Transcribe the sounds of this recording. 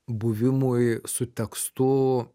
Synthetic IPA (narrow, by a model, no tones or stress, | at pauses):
buvimujsut̪ʲakst̪u